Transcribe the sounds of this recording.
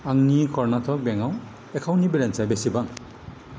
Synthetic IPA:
aŋnikʰɔɹnatʰɔk̚bɛŋaw | ekʰawnibelensajbesibaŋ

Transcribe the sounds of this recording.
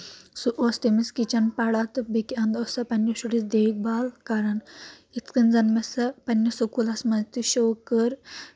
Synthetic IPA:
suʔoːst̪imiskit͡ʃɐnpɐɽɐt̪ɨbikiɐnd̪oːsɐpɐnːiʃuʈisd̪eːk̚baːlkɐɾɐnit͡skɨnzɐnmɐsɐpɐnːisukulɐsmɐnt̪iʃoːkəɾ

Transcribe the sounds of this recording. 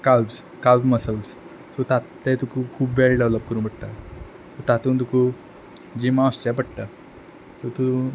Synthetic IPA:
kalbs | kalbməsəls | sot̪at̪ːɛt̪ukʰukʰuːbʋɛlɖeʋləp̚kəɾũːnbəɽt̪a | sot̪at̪uːnt̪uku | d͡ʑimãwst͡ɕɛpəɽ̚t̪a | sot̪u

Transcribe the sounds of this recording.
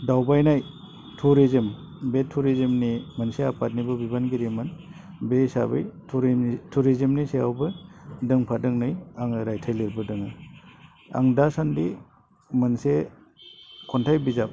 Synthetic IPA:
dawbajnaj | tʰuɾizɯm | betʰuɾizemnimɯnseapʰat̚nibɯbibanɡiɾimɯn | besa̰bɯ̰jtʰuɾtʰuɾizemniseawbɯdɯŋpʰadɯŋnɯjaŋɯɾajtʰajliɾbɯdɯŋɯ | a̰ŋdasandi | mɯnse | kʰɔntʰajbizap̚

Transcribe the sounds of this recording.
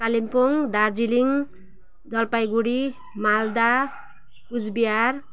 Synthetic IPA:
kalimpoŋd̪aɾd͡ziliŋ | d͡zʌlpajɡuɽi | mald̪a | pud͡zbijaɾ

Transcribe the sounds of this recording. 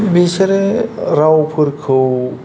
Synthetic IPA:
biseɾeɾawpʰuɾkʰow

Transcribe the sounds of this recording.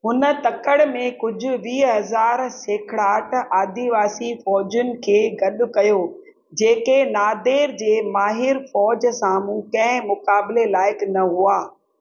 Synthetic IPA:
ɦʊnə̆t̪ɐkəɽmẽkʊd͡ʑʱʊ̆ʋiːɦɐzaːɾseːkʰɽaːʈaːd̪ʱiʋaːsifɔːd͡ʑʊnɪ̆kʰeːɡɐɗʊ̆kɐjo | d͡ʑeːkenaːd̪eːɾd͡ʑeːmaːɦɪɾfɔːd͡ʑsãmũːkɐ̃ɦɪ̃mʊkaːbɪlelaːɪknɐɦuaː

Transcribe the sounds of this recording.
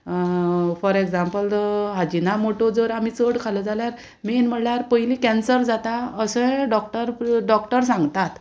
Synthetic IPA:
fɔɾeɡd͡zampəlɦad͡ʑinamoʈod͡zəɾam̤it͡səɽkʰalɔd͡zaljaɾ | menm̤əɳljaɾpəɦilĩkɛ̃nsəɾd͡zat̪aəsə̃ɖɔk̚ʈəɾɖɔkʈəɾsãŋɡt̪at̪

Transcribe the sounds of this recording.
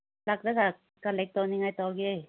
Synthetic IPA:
lak̚daka | kalɛk̚t̪ɔniŋajt̪ɔːɡe

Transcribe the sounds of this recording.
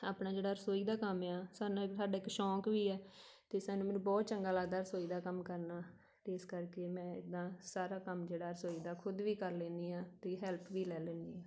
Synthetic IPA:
aːpnaːd͡ʒeːɽaːəɾsoːiːd̪aːkəmaːsaːnãːsaːɖaːɪkʃɔːkʋiːɛː | t̪eːsɛːnũːmeːnːbɔːt̪t͡ʃəŋɡaːlaːd̪aːɾsoːiːd̪aːkəmkəɾnaː | t̪eɪskəɾkeːmɛ̃ːɪ̰d̪ãːsaːɾaːkəmd͡ʒeːɽaːəɾsoːiːd̪aːkʰʊd̪ʋiːkəɾlẽːnd̪iːãːt̪eːɦɛːlpʰʋiːlɛːlẽːnd̪iːãː

